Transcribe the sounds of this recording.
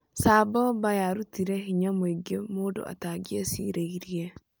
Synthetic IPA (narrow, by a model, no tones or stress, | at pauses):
saːbɔbajaɾut̪iɾɛɦiɲameɡemodɔ̰a̰taɡiesḭɾeiɾie